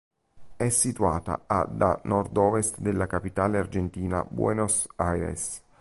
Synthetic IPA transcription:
ɛsːit̪uaːt̪a̰a̰d̪a̰nʔɔrd̪ɔːvest̪d̪elːakapit̪aːleard͡ʒent̪iːna̰bwɛ̰nosajɾḛs

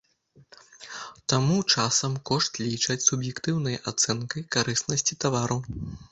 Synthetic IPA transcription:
t̪amut͡ʂasɐmkɔʂt̪lʲit͡ʂɐt͡sʲsubjɛkt̪ɨwnɐjʔat̪sɛnkɐjkaɾɨsnɐsʲt͡sʲit̪avaɾɐw

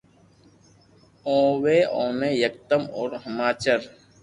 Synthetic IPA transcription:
õːweːʔõːmẽːjək̚t̪əmɔːɾɦəmaːt͡ʃəɾ

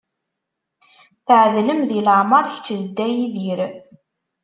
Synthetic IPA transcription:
θəʕəðləmðiləʕməɾˤçt͡ʃːəðd̪ːæjiðiɾ

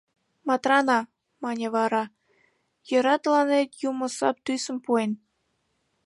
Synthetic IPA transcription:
mɑt̪rɑnɑ | mɑnʲeβɑɾɑ | jəɾɑt̪əlɑnet̪jumə̆sɑ̰p̚t̪ysə̆mpuen

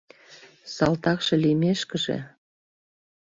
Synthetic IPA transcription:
sɑlt̪ɑkʃĕlimeʃkə̆ʒḛ

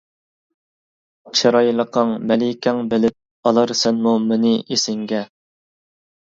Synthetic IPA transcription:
t͡ʃʰeɾɑjlˠəqʰəŋmɛlɪkʲʰɛŋbɪlɪp̚ | ɑlˠɑɾsɛnmumenɪesɪŋɡʲɛ

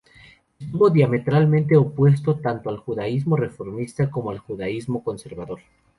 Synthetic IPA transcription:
est̪uβo̞ðjame̞t̪ɾalmẽnt̪e̞opwe̞s̬t̪o̞t̪ant̪oalxuðaizmo̞re̞fo̞ɾmist̪ako̞moalxuðaizmo̞ko̞nse̞ɾβaðo̞ɾ

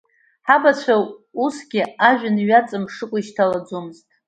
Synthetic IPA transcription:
ħabat͡ɕʷʰausɡʲɪaʒᶣanɥat͡sʼɨmʂɨkʷʼiʃtʰalad͡zomɨztʼ

